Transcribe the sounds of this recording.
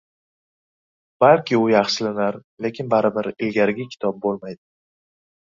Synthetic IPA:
b̥alˠkʲɪʊjaχʃɪlɪnaɾle̞kʲʰɪnbaɾɪbɪɾɪlɡʲaɾɡʲɪkʲʰɪ̥t̪ʰɒp̚bolˠmajd̪ɪ

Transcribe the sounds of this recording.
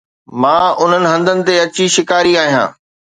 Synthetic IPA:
mãːʊn̤ənɪ̆ɦɐ̃nd̪ʱənɪ̆t̪eɐt͡ɕiʃɪkaːɾiaːɦijã̰ː

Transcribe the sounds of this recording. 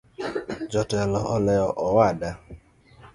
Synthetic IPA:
d͡ʒɔtlɔʔɔlɛɔʔɔwada

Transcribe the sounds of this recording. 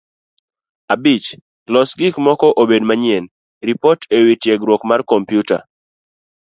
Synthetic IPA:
abit͡ʃ | lɔsɡɪkmɔkɔʔobedmaɲɪɛn | ɾipɔtʰewitjeɡɾwɔkmarkompjuta̰

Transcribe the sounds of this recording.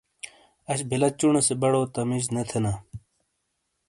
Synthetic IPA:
ɐɕbʱilɐt͡ɕuɳesebɐɽoːt̪ɐmiɕ̬net̪ʰena

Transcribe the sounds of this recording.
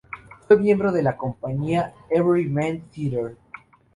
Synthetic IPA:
fojmje̞mbɾoðe̞lako̞mpaɲiaeβɾiɹansiɾeɾ

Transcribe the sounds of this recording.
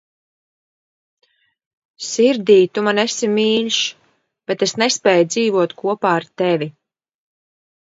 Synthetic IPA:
siɾd̪iːt̪umanesimiːlʲʃ | b̥et̪esnɛspɛːjd̪ziːvuɔt̪kʰuɔpaːaɾt̪ɛvʲi

